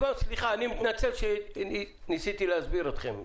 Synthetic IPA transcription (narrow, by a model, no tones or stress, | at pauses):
vasliχaːnimit̪nat͡selʃei | nisit̪ileazbiʁot̪χem